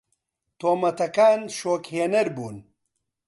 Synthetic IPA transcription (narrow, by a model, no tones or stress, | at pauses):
t̪oːmɐt̪ɐkaːnʃoːkheːnɐɾbuːn